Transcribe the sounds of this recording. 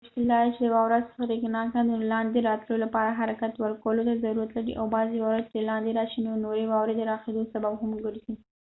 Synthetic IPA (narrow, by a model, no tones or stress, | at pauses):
ʃt̪ilːɑjet͡ʃed̪əwɑwɾazɾeknɑkad̪əlɑnd̪eɾɑt̪ləlolapɑɾaɦaɾakat̪wəɾkawəlot̪azaɾuɾat̪laɽḭʔa̰wbɑzewɑwɾad̪̚ɾelɑnd̪eɾɑʃinonoɾewɑwɾed̪əɾɑxed̪osababhamɡəɽzi